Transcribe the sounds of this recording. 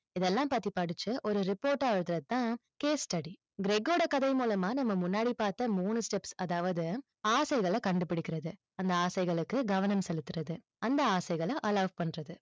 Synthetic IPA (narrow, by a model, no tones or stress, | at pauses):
ɪðɛlːãːpɐːt̪ːipɐɽɯt͡ʃːɯʔɔɾɯɾɪpoːɾʈaːʋɐɻɯt̪ɪɾɐðɯt̪ːãːkeːsʈɐɽi | ɡɪɾɛɡoːɽɐkɐðɐɪmuːlɐmaːnɐmːɐmʊnːaːɽipaːɾt̪ːɐmuːnɯsʈɛpsɐðaːʋɐðɯ | aːsɐɪɣɐɭɐkɐɳɖɯpɪɽɪkʲːɪɾɐðɯ | ɐnd̪ɐaːsɐɪɣɐɭɯkːɯɡɐʋɐnɐmsɛlɯt̪ːɯɾɐðɯ | ɐnd̪ɐaːsɐɪɣɐɭɐ̃ʔɐlɐːʋpɐɳːrɐðɯ